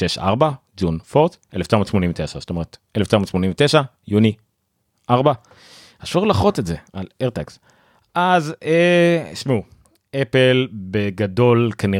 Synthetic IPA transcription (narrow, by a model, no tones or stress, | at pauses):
ʃeʃa̰ʁbad͡zunfoʁtʔeleft͡ʃamotʃmo̞niɱvet̪eʃastome̞ʁeteleft͡ʃamot̪ʃmo̞nĩɱvet̪eʃa | juni | ʔaʁba | haʃuʁlaχotezealeʁt̪aks | ʔazeʃmeu | epelbeɡado̞lkani